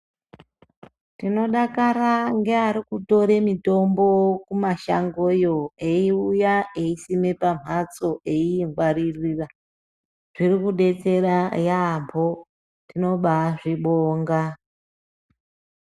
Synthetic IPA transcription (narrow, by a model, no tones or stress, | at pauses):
tino̞ɗakaɾaŋɡe̞aɾikuto̞ɾe̞mito̞mbo̞kumaʃa̰ŋɡo̞joeiujaeisime̞pam̤at͡so̞ʔe̞iŋɡwaɾiriːra | ʐ̥irikuɗe̞t͡se̞ɾajampʰo̞ | tino̞ɓaʐiɓoːŋɡa